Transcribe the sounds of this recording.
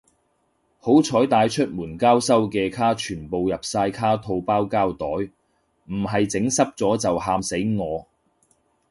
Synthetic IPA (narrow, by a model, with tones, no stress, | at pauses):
ho˨˥wt͡ʃʰɔː˨˥jt̪aː˨˧jt͡ʃʰɵ˥t̚muː˨˩nkaː˥wsɐ˥wkɛː˧kʰaː˥t͡ʃʰyː˨˩npo˨wjɐ˨p̚saː˧jkʰaː˥t̪ʰo˧wpaː˥wkaː˥wt̪ɔː˨˥j | m̩˨˩ɦɐ˨jt͡sɪ˨˥ŋsɐ˥p̚t͡sɔː˨˥t͡sɐ˨whaː˧mse˨˥jŋɔː˨˧